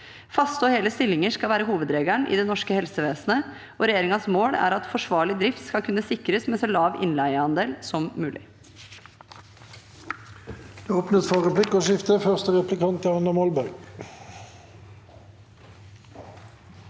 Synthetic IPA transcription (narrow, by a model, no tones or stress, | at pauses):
fɑst̪oːheːləst̪ɪlɪŋəʂkɑlʋæːɾəɦuːʋəd̪ɾeːɡæɳʔɪ̰ːd̪ɛːnɔʂkəhɛlsəʋeːsnə | oːɾɛjeːɾɪŋɑsmoːɽæ̰ːɾɑt̪fɔʂʋɑːɭɪd̪ɾɪft̪skɑkʰʉnːəsɪkɾəsmeːsolɑːʋɪ̰nlæɪəhɑnd̪eːlsɔmmʉːlʔɪ̰ | d̪̥eːɔpnət̪fɑːʁəpʰlɪkːoːʃɪft̪əfœʁst̪əʁɛplɪkʰɑnt̪ʰɑnəmɔlbæʁɡ